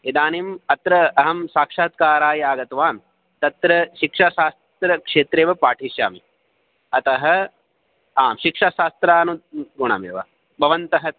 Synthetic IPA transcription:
ed̪aːnimɐt̪ɾɐɐɦɐmsaːkʂaːt̪̚kaːɾaːjaːɡɐt̪ʋaːm | t̪ɐt̪ɾɐʃikʂaːʃaːst̪ɾɐkʂeːt̪ɾeːʋɐpaːʈʰiːʃja̰ːmi | ɐt̪ɐɦɐ̆ | aːmʃikʂaːʃaːst̪ɾaːnuɡoɳ̃a̰ːmḛːʋɐ | bɐʋɐnt̪ɐɦɐ

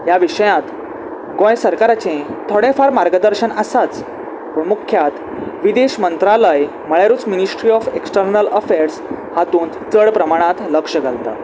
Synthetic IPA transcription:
jaʋiɕəjãt̪ | ɡõjsəɾkaɾat͡ɕẽt̪ʰoɽẽfaɾmaɾɡəd̪əɾɕənasat͡s | puːɳmukʰjat̪ | ʋid̪eɕmənt̪ɾaləj | məɭjaɾuːt͡sminisʈɾiɔfeksʈəɾnələfeɾshat̪uːnt͡səɭpɾəmaɽ̃ãt̪ləkʂəɡʱalt̪a̰

